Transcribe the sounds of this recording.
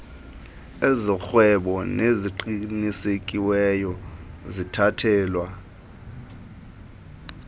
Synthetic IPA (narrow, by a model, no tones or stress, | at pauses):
ezixwɛɓɔneziǃinisekʼiwɛjɔzitʰatʰɛːlwa